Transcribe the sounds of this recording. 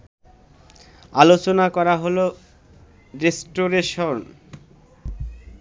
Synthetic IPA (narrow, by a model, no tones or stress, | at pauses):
alot͡ɕonakɔɾaɦolo | ɾesʈoɾeʃon